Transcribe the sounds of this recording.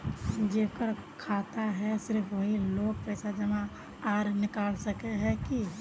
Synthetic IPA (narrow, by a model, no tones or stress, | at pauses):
d͡ʒeːkəɾ | kʰaːt̪aɦɛsɪɾfʋəɦiloːɡ̚pɛːsad͡ʒəmã | aːɾnɪkaːlsəkeɦɛ̃ki